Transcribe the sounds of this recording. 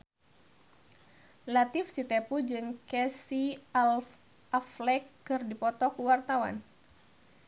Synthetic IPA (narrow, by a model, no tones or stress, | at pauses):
lat̪ifsit̪epud͡ʒɨŋkɛsial | aflɛkːɨrdipɔt̪ɔkuwart̪awa̰n